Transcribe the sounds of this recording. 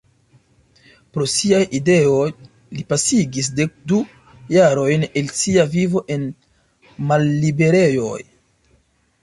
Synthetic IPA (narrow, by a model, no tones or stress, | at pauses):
pɾo̞siajide̞oj | lipasiɡis̬de̞k̚du | jaɾo̞jne̞lsiavivo̞ʔe̞n | malːibe̞ɾe̞jo̞j